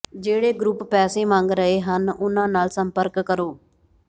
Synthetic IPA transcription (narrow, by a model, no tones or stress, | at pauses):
d͡ʒeːɽeːɡɾuppɛːseːmãːŋɡɾəeːɦənʊnãːnaːlsəmpəɾkːəɾoː